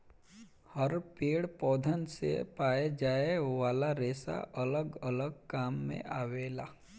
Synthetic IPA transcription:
həɾpeːɽpɔːd̪ʱənsḛpaːed͡ʒaːeʋaːlaɾeːsa̰ʔɐləɡələɡ̚kaːmːḛ̃ʔaːʋeːlaː

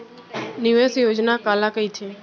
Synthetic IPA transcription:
nɪʋesjod͡ʒnakaːlakəit͡ʃʰe

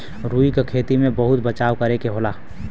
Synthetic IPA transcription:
ɾuːikekʰeːt̪imẽbəɦʊt̪̚bət͡ʃaːʋkɐɾekeɦoːlaː

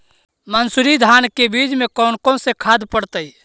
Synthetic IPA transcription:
mənsʊɾid̪ʱaːnkebiːd͡ʒmẽkɔːnkõsekʰaːd̪pəɽt̪əi

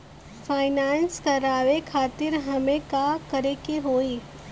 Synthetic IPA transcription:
faːɪnaːnskɐɾaːʋekʰaːt̪ɪɾɦɐmẽkakɐɾekeɦoːiː

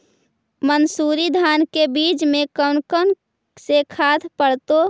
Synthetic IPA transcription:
mənsuːɾid̪ʱaːnkebiːt͡ʃmẽkəʊnkən | sekʰaːt̪ʰpəɽt̪o

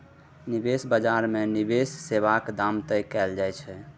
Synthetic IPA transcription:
nibesbəd͡ʒaɾmenibesːeβakd̪amt̪əjkɛld͡ʒajt͡ʃʰɛ

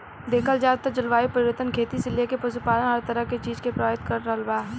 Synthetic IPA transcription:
d̪eːkʰəlzjaːd̪̚t̪əɾd͡ʒɐlʋaːipɐɾɪʋət̪ənkʰeːt̪isɪljekepɐsupaːlənɦɐɾt̪əɾəɦket͡ʃiːd͡ʒkepɾɐaːbɪt̪kɐɾːəɦəlbaː

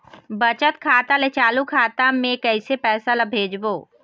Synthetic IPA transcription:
bət͡ʃət̪̚kʰaːt̪alet͡ʃaːlukʰaːt̪amẽkəɪsepɛːsaləbʱeːd͡ʒboː

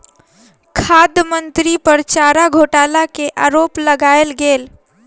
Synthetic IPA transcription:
kʰad̪jəmənt̪ɾipəɾt͡ʃaɾaɡʱoʈalakeʔaɾoːpləɡaelɡeːl

